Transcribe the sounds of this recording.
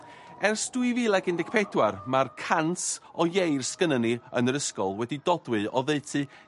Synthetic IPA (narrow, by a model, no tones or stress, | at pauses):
ɛrsd̥wɨviːlˠɛɡɪndɪɡ̥̚pʰɛdwarmarkʰansɔjejrskənəniənəɾəskɔlˠwɛdidɔdwɨɔðeɨtʰɨ